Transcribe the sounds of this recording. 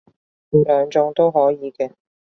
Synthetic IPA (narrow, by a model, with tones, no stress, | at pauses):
i˨˩lœː˨˧ŋt͡sʊ˧ŋt̪o˥wɦɔː˨˥jiː˨˧kɛː˧